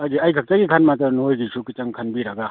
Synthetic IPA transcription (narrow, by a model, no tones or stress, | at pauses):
ajɡiajkʰak̚t͡ʃaɡikʰanmat̪ɐnojɡisʰukit͡ʃaŋkʰanbiɾaɡa